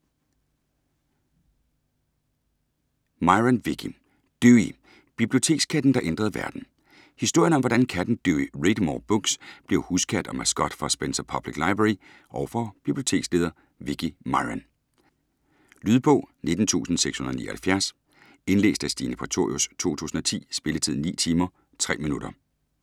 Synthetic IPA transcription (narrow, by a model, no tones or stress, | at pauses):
mɑ̈ɪʁænʋiɡ̥ʰi | d̥yi | b̥ib̥lio̝t͡sʰe̝̰ːɡ̥skʰæd̥n̩d̥ɑ̈ʔend̥ʁɐðˠʋæɐd̥n̩ | hisd̥o̝ɐ̰jənɒ̽mʋɒdænkʰæd̥n̩d̥øiʁed̥mɒ̰b̥ɔɡ̥sb̥le̝ʊhuskʰæd̥ɒ̽mæsɡ̥ɒ̽d̥fɒ̽sb̥ensɐpʰɒb̥liɡ̥lɑ̈ɪb̥ʁei | ʔɒʊfɒb̥ib̥lio̝t͡sʰe̝ːɡ̥sle̝ːðˠɐ | ʋiɡ̥imɑ̈ɪʁæn | lyːðˠb̥ɔ̽ʊ̰ne̝d̥n̩t͡sʰṵːsn̩seɡ̥shunðˠnḭːɐhælfjæɐs | e̝nle̝̰ːsd̥æsd̥ḭnəpʰʁɑt͡sʰo̝ɐjost͡sʰo̝̰ːt͡sʰṵːsn̩ɒ̽t͡sʰḭːsb̥e̝lət͡sʰiðˠnḭːt͡sʰiːmɐ | t͡sʰʁɛ̰ːminuɾ̥ɐ